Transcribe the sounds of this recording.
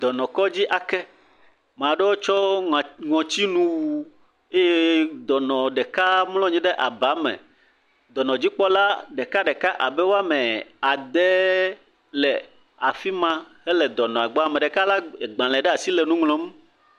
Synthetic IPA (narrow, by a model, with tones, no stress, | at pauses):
d̪ɔ˨nɔ̃˨kɔ˦d͡ʑi˦ʔa˨kɛ˦ | mã˨ɖɛ˦wo˦t͡ʃɔ˦˨ŋɔ̃˨t͡ɕi˦nũ˦wu˦ | e˦je˦d̪ɔ˨nɔ̃˨ɖɛ˨ka˦mlɔ̃˦ɲĩ˦ɖɛ˦ʔa˨ba˨˦mɛ̰̃˨ | d̪ɔ˨nɔ̃˨d͡ʑi˦k͡pɔ˦la˦ɖɛ˨ka˦ɖɛ˨ka˦ʔa˨bɛ˦wo˦a˦mɛ˨a˨d̪ɛ˦ | lɛ˨ | a˨fi˦mã˦hɛ˦lɛ˨d̪ɔ˨nɔ̃˨a˨ɡ͡bɔ˨˦a˨mɛ̃˨ɖɛ˨ka˦la˦˨ɡ͡bã˨lɛ̃˨ɖɛ˦a˨si˦lɛ˨nũ˦ŋlɔ̃˦m˦